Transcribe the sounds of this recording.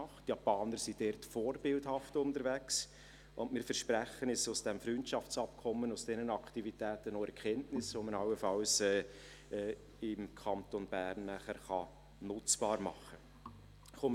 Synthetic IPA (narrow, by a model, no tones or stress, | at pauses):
ɑχtjɑpɑːnəɾsid̥ɛrtfoːɾbɪldhɑftʊntəɾvæks | ʔʊndmɪːɾfəɾʃpɾæχənɛsʊsd̥ɛmfɾyntʃɑft͡sɑp̚kʰɔmːənʊsd̥ɛnənɑkʰtivitæːtənoɛɾkχɛntnɪsʋomənɑwəfɑlsɛː | ɛː | ɪmkʰɑntonb̥æːɾnːæχəɾχɑ | nʊt͡sb̥ɑːɾmɑ̰χə | χom